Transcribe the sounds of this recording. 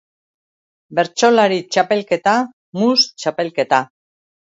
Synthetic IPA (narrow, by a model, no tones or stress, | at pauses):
be̞ɾt͡ʃo̞laɾit͡ʃape̞lke̞t̪a | must͡ʃape̞lke̞t̪a